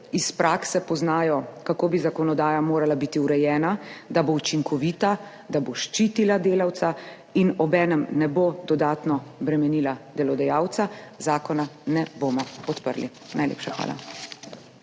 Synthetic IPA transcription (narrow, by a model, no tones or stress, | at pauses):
ispɾʔaːksɛpɔznaːjɔkakoːbizakɔnɔd̪aːjamoːɾalabit̪iuɾɛjɛːnad̪about͡ʃiŋkʰɔʋiːt̪a | d̪aboʃt͡ʃit̪ilad̪eːlawt̪sa | inɔbɛːnɛmnɛbod̪ɔd̪aːt̪nɔbɾɛmɛnilad̪ɛlɔd̪ɛjaːwt̪sazaːkɔnanɛboːmɔpɔt̪pə̰ɾlḭ | nʔajlʲḛːpʃaxʋa̰ːla̰